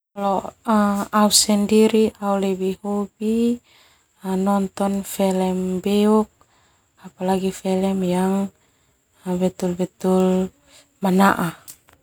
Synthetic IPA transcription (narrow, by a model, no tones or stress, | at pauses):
lɔaausɛndiɾiaulɛbihubi | anɔnt̪ɔnfɛlɛmbɛuk̚ | apalaɡifɛlɛmjaŋ | abɛt̪ulbɛt̪ul | manaʔa